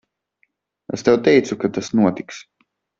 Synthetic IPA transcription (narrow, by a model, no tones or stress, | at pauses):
ɛst̪ɛwt̪ɛjt̪sukat̪asnuɔt̪iks